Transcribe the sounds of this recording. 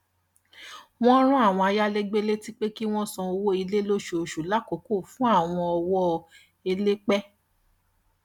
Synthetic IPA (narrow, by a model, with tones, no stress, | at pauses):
w̃ɔ̃˦ɾ̃ũ˦a˦˨w̃ɔ̃˧a˧ja˦le˦ɡ͡be˦le˦ti˦k͡pe˦ki˦w̃ɔ̃˦sɔ̃˧o˧wo˦i˧le˦lo˦ʃo˨o˨ʃu˨la˦ko˨ko˦˨fũ˦a˦˨w̃ɔ̃˧ɔ˧wɔ˦ | e˧le˦k͡pɛ˦